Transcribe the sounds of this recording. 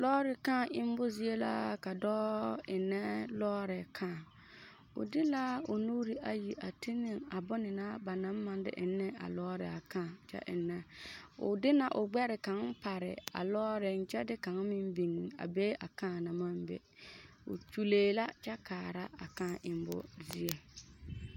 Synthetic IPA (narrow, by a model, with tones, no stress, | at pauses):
lɔː˦ɾɪ˨ka˦˨ɪ˦m˦bʊ˦zi˦e˦la̰˦ka˨dɔː˦ɪ˨nːɛ˦lɔː˦ɾɪ˨kʰaː˦˨ | ʊ̰˨dɪ˦la˦ʊ˨nuː˦ɾi˨ʔa˨ji˨ʔa˨ti˦nɪ˦˨ŋa˨bʊ˦nɪ˨na˦ba˨na˨˦m˦ma˨n˦dɪ̰˦ʔɪ˨nːɛ˦a̰˨lɔː˦ɾɪ̰˨a˨kã˦˨t͡ʃɛ̰˦ʔɪ̰˨nːɛ˦ʊ̰˨dɪ˦na˨ʔʊ˨ɡ͡bɛ˦ɾɪ˨ka˨˦ŋ˦pa˨ɾɪ̰˨a̰˨lɔː˦ɾɪ˨nt͡ʃɛ˦dɪ˦ka˨˦ŋ˦mɪ˦m˦bi˨ŋi˨a̰˨beː˦ʔa˨kã˦˨na˨ma˦m˦bɛ̰˨ | ʊ̰˨t͡ʃu˦leː˦la˦t͡ʃɛ˦kaː˨ɾa˦a̰˨kãː˦˨ʔɪ˨m˦bʊ̰˦zi˦ɛ˦